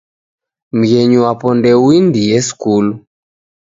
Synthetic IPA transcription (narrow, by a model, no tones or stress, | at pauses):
m̩ɣɛɲuwapɔndɛwindiɛskulu